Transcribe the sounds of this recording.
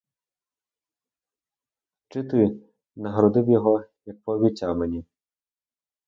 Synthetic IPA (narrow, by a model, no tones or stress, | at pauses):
t͡ʃɪt̪ɪ | nɐɦɾɔd̪ɪwjɔɦɔjɐk̚pɔʋʲit͡sʲamɛnʲi